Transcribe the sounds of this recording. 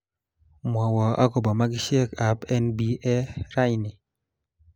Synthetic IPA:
mwɔ˨wɔ˨a̰˦kɔ˨bɔ˨ma˦ɡɪ˦ʃe˦ka˨pɛ˦nbi˦ʔɛ˦ɾa˦jnɪ˨

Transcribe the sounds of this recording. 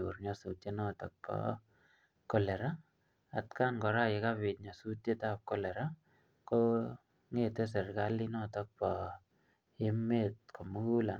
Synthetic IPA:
o˨ɾɲa˦su˨tje˦nɔ˦tɔ̰˨k̚pɔ̰ | kɔ˨lɛ˨ɾa˦ | a˨tka˦nkɔ˨ɾa˦ɪ˨ka˦bɪ˨t̚ɲa˨su˦tje˦ta˦p̚kɔ˦lɛ˨ɾa˦ | ko | ŋe˦tɛ˦s̬ɛ˨rka˦linɔ˦tɔ˦k̚pɔ˨ | e˦mːet̚kʰo˨mu˦ku˦la˨

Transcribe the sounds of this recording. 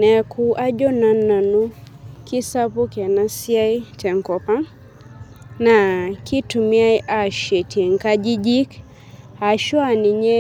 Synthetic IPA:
nɛ˨kʰu˦ʔa˦d͡ʒɔ˦na˨nːa˨nu˦ki˦sa˦pu˦kɛ˨na˦si˦a˦i˦t͡ʃɛ˨ŋkɔ˨pa˦ | na˨ki˦tu˨mi˦a˦i˦ʔa˨ʃɛ˨ti˨ŋ̩˨ka˦d͡ʒi˦d͡ʒi˦k | a˨ʃwa˦˨ni˨ɲɛ˦

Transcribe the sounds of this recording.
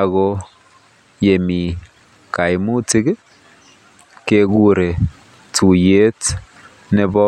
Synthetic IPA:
a˨ɣɔ˦ | je˨mi˨ | ka˨jmu˦tɪ˦ɡ | ke˦ɡu˦ɾe˨ | tu˨je˦t | nɛ˦bɔ˦

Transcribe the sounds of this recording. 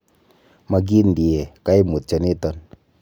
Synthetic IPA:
ma˨ɡi˦ndi˨e˨ka˦i˦mu˨t̪̚t͡ʃa˨ni˦t̪ɔ˦n

